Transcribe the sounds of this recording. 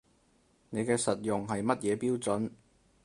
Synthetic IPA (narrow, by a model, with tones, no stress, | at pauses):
ne˨˧jkɛː˧sɐ˨t̚jʊ˨ŋɦɐ˨jmɐ˥t̚jɛː˨˧piː˥wt͡sɵ˨˥n